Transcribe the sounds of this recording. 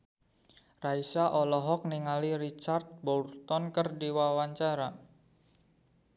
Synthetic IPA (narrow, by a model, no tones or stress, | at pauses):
raisaʔɔlɔɦɔk̚niŋaliɾit͡ʃart̪̚bɔlt̪ɔnkərdiwawaɲt͡ʃaɾa